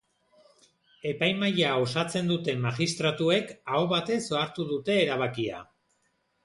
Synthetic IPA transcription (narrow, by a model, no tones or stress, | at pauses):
e̞pajmajao̞sat͡se̞nd̪ut̪e̞maɣist̪ɾat̪ue̞kaoβat̪e̞so̞aɾt̪uðut̪e̞ːɾaβ̞akia̰